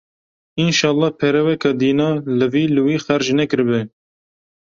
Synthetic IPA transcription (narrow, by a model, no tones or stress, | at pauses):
inʃɑːlˠˤːɑːpʰɛɾɛwɛkɑːd̪iːnɑːlɨviːlɨwiːxæɾʒnɛkɨɾɨbɨ